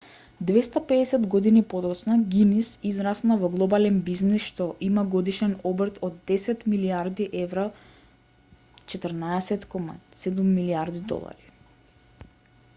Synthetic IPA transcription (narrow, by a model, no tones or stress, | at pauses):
d̪vɛst̪apɛːsɛd̪ɡod̪inipod̪ɔt̪snaɡinisizɾasnavɔɡlˠɔbalɛnbiznisʃt̪ɔʔimaɡɔd̪iʃɛnɔbrt̪ʰɔd̪ːɛsɛt̪miliaɾd̪iʔɛvɾa | t͡ʃɛt̪əɾnaɛsɛt̪kɔma̰sɛd̪umːiliaɾd̪id̪ɔ̰lˠa̰ɾi̥